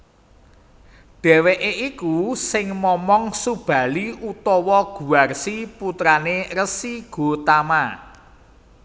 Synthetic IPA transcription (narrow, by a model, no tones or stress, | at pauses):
ɖ̥ɛ̤weʔeʔikusɪŋmɔmɔŋsub̥ä̤liʔut̪ɔwɔɡ̥ṳarsiput̪ɾanerəsiɡ̥o̤t̪ama